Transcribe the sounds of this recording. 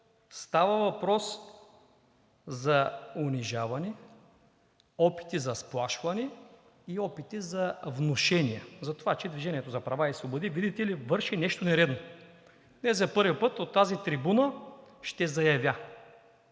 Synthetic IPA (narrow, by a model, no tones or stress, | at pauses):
st̪avɐvɐpɾɔs | zɐʊniʒavɐnɛ | ɔpi̥t̪izɐsplˠaʃvɐnɛ | iɔpit̪izɐvnoʃɛniɐzɐt̪ovat͡ʃɛd̪viʒɛniɛt̪ozɐpɾɐvaisvˠobod̪ivid̪it̪ɛlivɤɾʃinɛʃt̪onɛɾɛd̪no | nɛzɐpɤɾvipɤt̪ot̪ːazit̪ɾibunəʃt̪ɛzɐjɐvʲja